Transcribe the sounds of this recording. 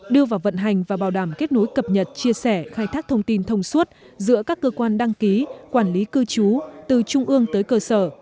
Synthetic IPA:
ɗɨ˧əvaː˨˩wvə̰˧˨nɦa˨˩jŋ̟vaː˨˩ɓaː˨˩wɗaː˧˩mke˦˥t̚no˨˦jkə˨˩p̚ɲə˨˩t̚t͡ɕi˧əsɛ˧˩xaː˧jt̪ʰaː˦˥k̚t̪ʰə˧wŋ͡mt̪i˧nt̪ʰə˧wŋ͡mswə˦˥t̚ | zɨ̰˧˥əkaː˦˥kːəː˧kwaː˧nɗa˧ŋki˨˦kwaː˧˩nli˨˦kɨ˧t͡ɕu˨˦t̪ɨ˨˩t͡ɕʊ˧ŋ͡mʔɨ˧əŋt̪əː˨˦jkəː˧səː˧˩

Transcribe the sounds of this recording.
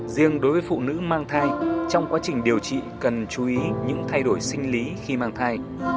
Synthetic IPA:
zi˧əŋɗo˨˦jvəː˨˦jfṵ˧˨nɨ̰˧˥maː˧ŋt̪ʰaː˧jt͡ɕɔ˧wŋ͡mkwaː˨˦t͡ɕï˨˩ŋ̟ɗi˨˩əwt͡ɕḭ˧˨kə˨˩nt͡ɕu˨˦ʔi˨˦ɲɨ̰˧˥ŋt̪ʰa˧jɗo˧˩jsï˧ŋ̟li˨˦xi˧maː˧ŋt̪ʰaː˧j

